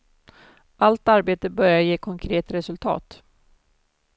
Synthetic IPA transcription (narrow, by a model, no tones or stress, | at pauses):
ʔalt̪aɾbeːt̪əbœɾjajeːkʰɔŋkʰɾeːt̪ɾɛsɵlt̪ʰɑ̰ːt̪